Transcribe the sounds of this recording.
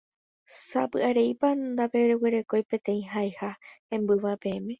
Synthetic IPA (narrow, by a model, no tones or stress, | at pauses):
sapɨʔaɾe̞jpand̪ape̞ɾeweɾe̞ko̞jpẽ̞t̪ẽ̞ĩɦaehaẽ̞mbɨʋape̞ẽmẽ̞